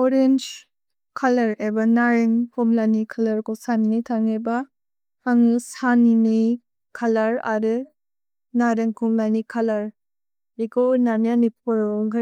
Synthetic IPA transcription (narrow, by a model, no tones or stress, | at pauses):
ɔɾend͡ʒ | kʰalɐɾebanaɾeŋkʰɔmlajnikʰalɐɾkosaninajtʰaŋeba | haŋɯsaninɯj | kʰalaɾa̰ɾɯ | naɾeŋkʰɔmlajnikʰalɐɾ | ikownanjanipʰɔɾŋɡa